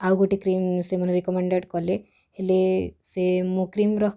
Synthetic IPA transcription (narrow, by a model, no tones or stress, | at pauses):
auɡoʈikɾimsemənɾikɔmeɳɖeʈkɔle | helesemokɾimɾɔ